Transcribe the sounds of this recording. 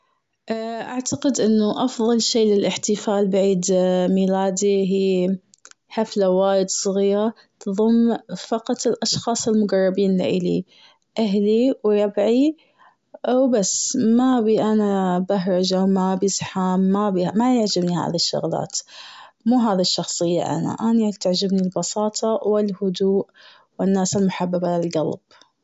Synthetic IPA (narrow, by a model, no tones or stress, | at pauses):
ʔaʔaʕt̪aqɪd̪ʔɪnːʊʔɑfðˤɑlʃeːlɪlʔɪħt̪ɪfaːlbaʕiːd̪miːlaːd̪iɦiː | ħaflawaːjɪd̪sˤɣiːɾa | t̪ðˤʊmːfɑqɑt̪ˤɪlʔɑʃxɑːsˤɪlmʊɡɑrˤːɑbiːnla̰ʔɪlḭ | ʔaɦliwɾˤɑbʕi | ʔwbasːmabiʔanabaɦɾˤɑd͡ʒawmabizħaːmːabimajɪʕd͡ʒɪbniha̰ːðiʃːʊ̰ɣla̰ːt̪ | muːɦaːðiʃːɑxsˤɨjːa̰ʔa̰na̰ʔanit̪aʕd͡ʒɪbnilbɑsˤɑːt̪ˤʰɑwɪlhʊd̪uːʔ | wɪnːaːsɪlmʊħabːabʕalalɡa̰lb̥